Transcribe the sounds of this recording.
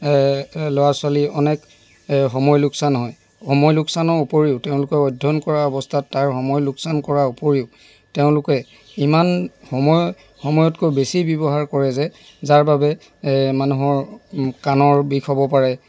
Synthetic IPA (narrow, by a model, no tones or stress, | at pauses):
lɔwaswaliɔnɛk | ɦɔmɔjlʊksanɦɔj | hɔmɔjluksanɔupoɹiʊteʊ̃lʊkɛɔjdʱːɔnkɔɹaɔbɔstʰatːaɹxɔmɔjlʊksankɔɹaupoɹiʊ | teʊ̃lʊkɛ | imanhɔmɔj | hɔmɔjɔtkobesibɔbɔɦaɹkɔɹɛzɛ | zaɹbabɛ | manuɦɔɹkanɔɹbikʰɔbɔpaɹɛ